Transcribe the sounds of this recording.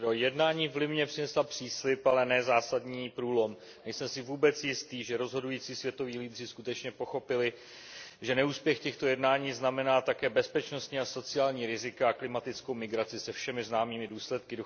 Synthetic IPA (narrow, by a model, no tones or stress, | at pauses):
ojɛdnaːɲiːvlɪmɲɛpr̥ɪnɛslapr̥iːslɪpalɛnɛːzaːsadɲiːpɾuːlo̞m | nɛjsɛmsɪvuːbɛt͡sjɪst̪iːʒɛɾo̞zɦo̞dujiːt͡siːsvjɛt̪o̞viːliːd̪r̝ɪskut̪ɛt͡ʃɲɛpo̞xo̞pɪlɪ | ʒɛnɛuːspjɛxcɛxt̪o̞jɛdnaːɲiːznamɛnaːt̪akɛːbɛspɛt͡ʃno̞st̪ɲiːaso̞t͡sɪaːlɲiːɾɪzɪkaaklɪmat̪ɪt͡sko̞wmɪɡɾat͡sɪsɛfʃɛmɪznaːmiːmɪduːslɛt̪̚kɪ